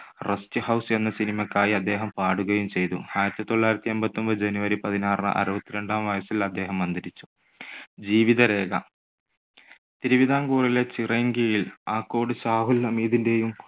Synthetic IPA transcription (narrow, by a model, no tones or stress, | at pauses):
restɨhɐwse̞nːɐsinimɐkːaːjiɐd̪ːe̞ːɦɐmpaːɽuɣɐjumt͡ɕe̞jt̪ṵaːjɾɐt̪ːɨt̪o̞ɭːaːiɾɐt̪ːiembɐt̪ːo̞mbɨd͡ʑenuʋɐɾipɐðinaːrɨ̰ʔɐ̰ɾubɐt̪ːiɾe̞ɳɖaːmʋɐjɐsilɐd̪ːe̞ːɦɐmːɐnd̪ɐɾit͡ɕːu̥ | d͡ʑiːʋiðɐɾe̞ːɡɐ̰ | t̪iɾuʋiðʱaːŋɡuːrile̞t͡ɕireŋɡijilaːkːo̞ːɽɨsaːɦulːɐmiːðinde̞jum